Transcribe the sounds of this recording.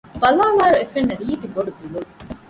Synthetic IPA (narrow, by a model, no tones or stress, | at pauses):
bɐlaːʋaːɾuefenːɐɾiːt̪iɡoɖud̪ilul